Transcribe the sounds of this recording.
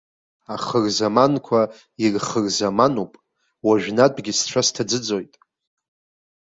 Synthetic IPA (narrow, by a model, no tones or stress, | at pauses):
aχərzamankʷʰa | irχərzamanupʼ | waʒᶣnadʼɡʲisʈ͡ʂʷʰastʰad͡zɨd͡zo̞jtʼ